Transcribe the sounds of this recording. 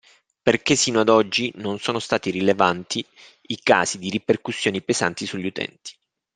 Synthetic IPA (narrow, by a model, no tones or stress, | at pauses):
perkesːiːnoad̪ɔd͡ʒːinonsoːnost̪aːt̪iɾilevant̪ʰi | ika̰ːsid̪iɾiperkusːjoːnipeza̰nt̪isuʎːiut̪ɛ̰nt̪i̥